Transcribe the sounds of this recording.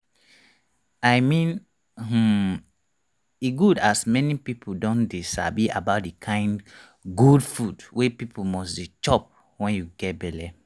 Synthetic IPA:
ajmĩn | h̩ | iɡudasmɛnipipʰodɔ̃ndesa̰bia̰baʊt̚dikʰãɪ̃nd | ɡudfudwepipomɔsdit͡ʃɔp̚ | wɛ̃njuɡɛt̚bɛlɛ

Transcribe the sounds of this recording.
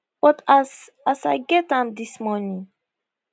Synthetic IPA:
b̥ɔtas | asaɪɡɛt̚ɛ̃md̪ismɔːnĩŋ

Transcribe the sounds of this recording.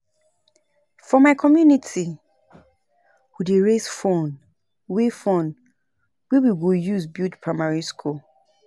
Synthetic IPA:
fɔmaɪkʰɔmjunitʰi | wudeɹesfɔn | wefɔ̃n | wewiɡojuzbitpʰɹamaɹiskʰɔ

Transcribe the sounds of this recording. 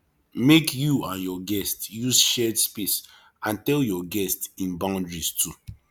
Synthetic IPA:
mekjuãnjɔɡɛstjusʃɛdspis | ãntɛljɔɡɛstĩnbãʊ̃ndɹistʰu

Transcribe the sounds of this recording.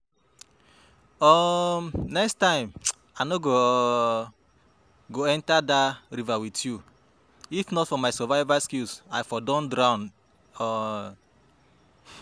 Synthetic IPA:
ɔmnɛkstãɪ̃m | anɔɡo | ɡoɛ̃ntadaɾivawitju | ifnɔtfɔmaɪsɛvaɪvaskilsaɪfɔdɔ̃ndɾãʊ̃n | ɔ

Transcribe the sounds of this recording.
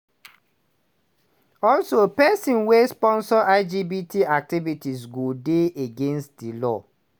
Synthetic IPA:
ɔlsopɛsĩnwespɔ̃nsɔʔaɪd͡ʒibitʰiak̚tivitisɡodeeɡẽnstdilɔ

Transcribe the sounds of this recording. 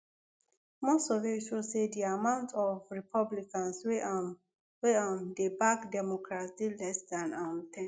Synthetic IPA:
mɔsɔveswilsediamãʊ̃ntʰɔvɹipʰɔblikãnswe | weɔ̃ndebakdɛmɔkɹasilɛsdãnãntʰɛ̃

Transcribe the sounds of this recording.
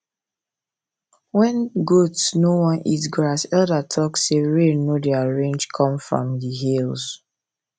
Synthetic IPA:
wɛ̃nɡotsnowɔ̃nḭtɡɹasɛldatʰɔksːeɹenodɛaɹẽnd͡ʒkʰɔ̃mfɹɔ̰̃mdiɦils

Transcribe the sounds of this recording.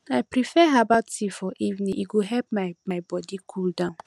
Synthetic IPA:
aɪpɾifɛɦabaʊttifɔʔivnĩʔiɡoɦɛp̚maɪmaɪbɔdikʰuldãʊ̃n

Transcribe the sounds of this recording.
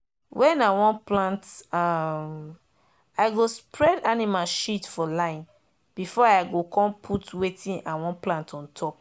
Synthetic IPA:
wɛ̃nawɔ̃nplãntam | aɪɡospʰɹɛdanimalʃitfɔlãɪ̃n | b̥ifɔaɪɡokʰɔ̃mpʰutwetʰĩʔawɔ̃nplãntɔ̃ntʰɔp̚

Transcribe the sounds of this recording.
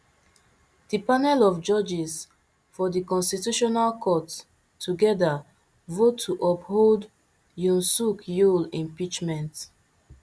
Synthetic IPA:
d̥ipanɛlɔfd͡ʒɔd͡ʒis | fɔdikɔ̃nstituʃɔnalkʰɔt | tʰːuɡɛda | votʰːuʔɔphold | jũnsukjulĩmpit͡ʃmɛ̃nt

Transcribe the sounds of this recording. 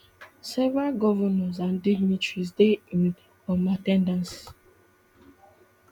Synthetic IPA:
sɛvɹalɡɔvɔnɛ̃ns̬ãndiɡnitɹisdeĩn | ɔmatɛ̃ndãns

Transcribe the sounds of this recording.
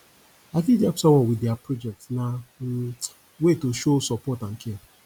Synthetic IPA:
akidɛpsɔwɔ̃nwideapɾod͡ʒɛk̚tna | wetoʃosɔpɔtaŋ̩kea

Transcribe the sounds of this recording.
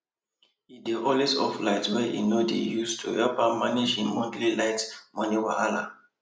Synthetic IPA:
ideʔɔlisɔ̰flaɪtswɛʔḭnodḛjustʰuɛpamanid͡ʒĩnmɔ̃ntlilaɪtmɔ̃niwaala̰

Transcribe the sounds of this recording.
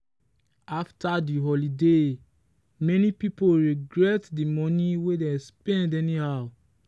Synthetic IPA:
aftadiɦɔlide | mɛnipipoɹiɡɹɛtdimɔ̃niwedespɛ̃ndɛnihaʊ

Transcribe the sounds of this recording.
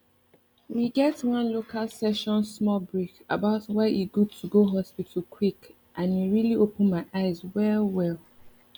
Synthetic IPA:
wiɡɛtwʌ̃nlokʰalsɛʃɔ̃nsmɔlbɹikə̰baʊtwɛʔiɡud̚tʰuɡoɦɔspitʰl̩kʰwik | ʔãnwiɹiliʔopə̃nmaɪʔaɪzwɛlwɛlˠ

